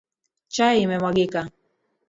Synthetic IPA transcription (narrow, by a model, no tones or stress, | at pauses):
t͡ʃaimɛmaɡika